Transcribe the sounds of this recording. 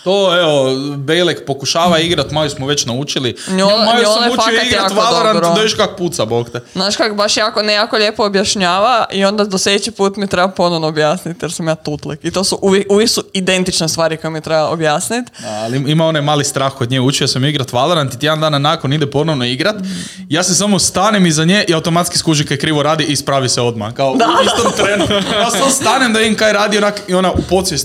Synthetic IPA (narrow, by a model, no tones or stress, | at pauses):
t̪oːeobejlekpo̞kuʃaːʋaiɡɾat̪malosmoʋet͡ʃnaut͡ʃilinionomaloonoufaioiɡ̪jaːk̪ʋoaldeɾanbtɾd̪oiʃkako̥put̪sabokt̪eznaːʃkakobaʃjaːkonejaːkoʎʲeːpoːbjaʃɲaːʋaʔio̞nd̪ad̪osljed̪et͡ɕipuːt̪mit̪ɾebapo̞noʋnoobjaːsnit̪jeɾsamjaːt̪ut̪likit̪o̞ːsuʔuʋjekuʋiksuid̪e̞nt̪it͡ʃnest̪ʋaːɾiko̞jemiet̪ɾebaobjaːsnit̪aliimao̞najmaːlist̪ɾaːxkod̪ɲeːut͡ʃijosemiɡɾat̪ʋalˠeɾant̪it̪ʲjed̪and̪aːnanaːkonid̪ɛpo̞noʋnoiɡɾat̪ | jaːsesamost̪aːnemizaɲeːʔiaut̪o̞mat̪ski̥skuːʒikajekɾiːʋoɾaːd̪iʔispɾaːʋiseo̞d̪ma̰kaod̪ait̪omt̪ɾenjassamost̪aːnemd̪aid̪imkajɾaːd̪ionakio̞naupo̞t̪sʋjes